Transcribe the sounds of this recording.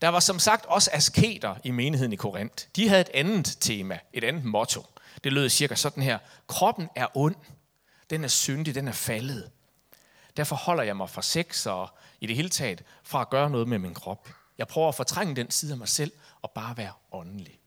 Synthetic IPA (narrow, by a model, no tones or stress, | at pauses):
d̥ɑ̈ʋɑ̈sɒ̽msɑ̈ɡ̥̚d̥ɒ̽səæskʰe̝̰ːd̥ɐime̝ːnihe̝ð̰ˠn̩ikʰo̝ʁen̰d̥d̥iɦæð̩ˠe̝d̥ænð̩ˠt͡sʰe̝ːmæe̝ɾ̥ænð̩ˠmɔ̽t͡sʰo̝d̥e̝lø̰ːðˠsiɐɡ̥æsɒ̽d̥n̩ɦæɐ̰kʰʁɒ̽b̥n̩æɐʔɔ̽n̰ | d̥enæɐsønd̥id̥enæɐfæləð̩ˠ | d̥æɐfɒ̽hɒ̽l̰ɐjɑ̈ɪmɑ̈ɪfʁɑ̈seɡ̥sɒːid̥e̝he̝ːlət͡sʰɛ̰ːð̩ˠfʁɑ̈æɡ̥ɶːɐnɔ̽ːð̞̩ˠmeminkʰʁɒ̽b̥ | jɑ̈ɪpʰʁœʊɐæfo̽t͡sʰʁaŋ̰əd̥ensʰiːð̩ˠæmɑ̈ɪsel̰ɒ̽b̥ɑ̈ːʋæːɐɒ̽nəli